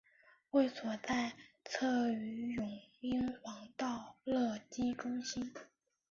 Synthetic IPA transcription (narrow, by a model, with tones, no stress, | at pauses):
we˥˩ɪswɔ˨˩t͡sa˥˧ɪt͡sʰɤ˥˩y˧˥jʊ˨˩ŋi˥nxwɑ˧˥ŋt̪ɑ˥˧ʊlɤ˥˩t͡ɕi˥ʈ͡ʂʊ˥ŋɕi˥n